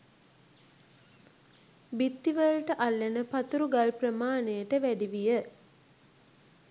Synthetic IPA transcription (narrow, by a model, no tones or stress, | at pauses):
bit̪ːiʋəlʈəʔalːenəpat̪uɾuɡalprəmaːnejəʈəʋæɖiʋijə